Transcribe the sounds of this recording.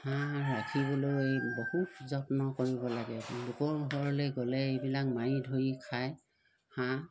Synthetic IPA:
hãɹakʰiβɔloejbɔhutzɔtnɔkoɹibɔlaɡɛlʊkɔɹuɦɔɹlejɡɔlɛebilak̚majidʱojikʰaj | hã

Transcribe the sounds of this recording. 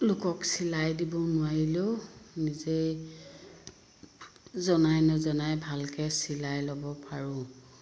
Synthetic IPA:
lʊkɔksilajdibɔnʊaɹileʊnize | zɔnajnɔzɔnajbʱalkɛsilajlɔbɔpaɹʊ̃

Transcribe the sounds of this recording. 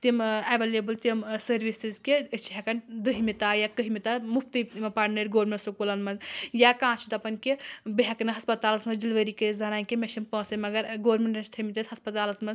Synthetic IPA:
t̪imaʋelebɨlt̪imsɐɾʋisizkeət͡ʃʰɦʲekɐnd̪əɦimit̪ajakəɦimit̪amup̚t̪imɐpaɽnɐɾɡoːɾmẽnʈsukulɐnmɐzjakãːt͡ʃʰit̪ɐpɐnʲkebiɦʲekɐnɐɦɐspɐt̪aːlɐsmɐd͡ʒilʋəɾikezɐnaːnkemeʃimpə̃ːsɐmɐɡɐɾɡoːɾmeɳʈɐnst̪ʰɐmit̪esʲhɦɐspɐt̪aːlɐzmɐz

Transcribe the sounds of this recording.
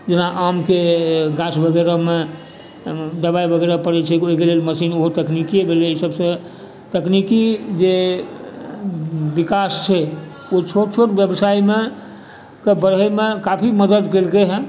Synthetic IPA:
d͡ʒenaʔamkeɡasbʱəɡeɾame | d̪əbaibʱəɡeɾapəɾɛt͡ʃʰɛkioɦikelelməsinoɦot̪əknikiebʱeleisəbsə̃ | t̪əknikid͡ʒe | bikast͡ʃʰɛ | ot͡ʃʰoʈt͡ʃʰoʈbjəbsaime | kebəɽɦəmekapʰiməd̪əd̪kelkeɦɛ̃

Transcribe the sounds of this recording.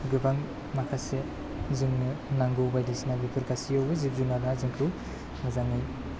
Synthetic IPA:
ɡɯbaŋ | makʰase | ziŋnɯnaŋɡɯwbajdisinabipʰɯɾkasiawbɯzip̚zunaɾnazɯŋkʰu | mazaŋɯj

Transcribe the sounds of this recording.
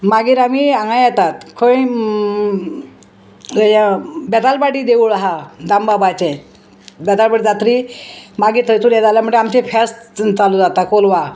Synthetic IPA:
maɡiːɾamiaŋɡãjjɛt̪at̪kʰoĩ | jbɛt̪albaɽiːd̪euɭɦad̪ambabajt͡ɕẽ | bɛt̪albaɽid͡zat̪ɾimaɡiːɾt̪ʰət̪uljɛd͡zaljam̤əʈeamt͡ɕefʰast͡salud͡zat̪akolʋa

